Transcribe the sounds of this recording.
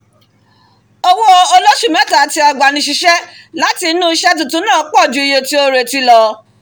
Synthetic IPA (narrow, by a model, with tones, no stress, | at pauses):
o˧wo˦˧o˧lo˦ʃu˦˨mɛ̃˨˦ta˨a˨ti˧a˨ɡ͡ba˨nĩ˧ʃ̬i˨˦ʃɛ˦ | la˨˦ti˧˦nũ˦i˧ʃɛ˦t̬ũ˨tũ˦nãː˦˨˦k͡pɔ˦˨d͡ʒũ˨˦i˧je˧ti˦o˧ɾe˨ti˧lɔ˧